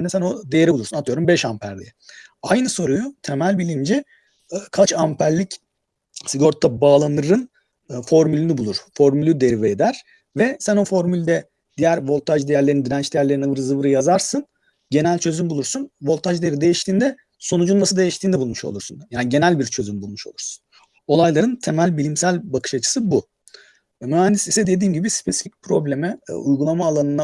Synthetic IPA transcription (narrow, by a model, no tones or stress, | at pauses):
nd̪ɛsæno̞d̪ejeɾibulˠuɾsunat̪ʰɯjo̞ɾumbɛʃampʰæɾlʲḭɛ | ajnɯso̞ɾujut̪ʰe̞mælʲbilʲimd͡ʒi | kʰat͡ʃampʰæɾlʲic | siɡo̞ɾt̪ʰːabaːlˠanɯɾɯn | fo̞ɾmylʲynibulˠuɾ̥fo̞ɾmylʲyd̪e̞ɾiveːd̪æɾ̥ | vɛsæno̞fo̞ɾmylʲd̪ɛ | d̪ijæɾvo̞lˠt̪ʰaʒd̪ejæɾlʲeɾinid̪inɛnt͡ʃd̪ejæɾlʲe̞ɾinavɯɾɯzɯvɯɾɯjazaɾsɯn | ɟe̞nælʲt͡ʃʰø̞zymbulˠuɾsunvo̞lˠt̪ʰaʒd̪ieɾid̪e̞jiʃt̪ʰiːnd̪ɛ | sonud͡ʒunːasɯd̪e̞jiʃt̪ʰiːnd̪ɛbulˠmuʃo̞̰lˠuɾsunjaːnɟe̞nælʲbiɾt͡ʃʰøzymbulˠmuʃo̞lˠuɾsu̥n | o̞lˠajlˠaɾɯnt̪ʰemælʲbilʲimsælʲbakʰɯ̥ʃat͡ʃʰɯ̥sɯbu | myhænd̪isisɛd̪e̞d̪iːmɟibispʰe̞si̥fic̚pʰɾo̞blʲe̞mɛ̰ujɡulˠamaːlˠanɯna